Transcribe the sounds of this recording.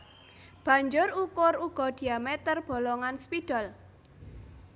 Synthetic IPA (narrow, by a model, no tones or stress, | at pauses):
b̥ä̤ɲd͡ʒʊrukʊruɡ̥ɔ̤d̥i̤amɛt̪ərb̥ɔ̤lɔŋanspid̥ɔ̤l